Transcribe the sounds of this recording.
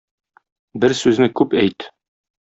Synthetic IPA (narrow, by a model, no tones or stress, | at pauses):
bɘɾsʉznɘkʉpæjt̪